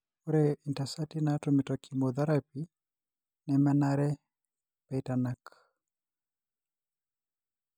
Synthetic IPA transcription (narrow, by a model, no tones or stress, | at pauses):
uɾɛintasatinatɔmitɔkimɔðaɾapi | nɛmɛnaɾɛ | pɛitanak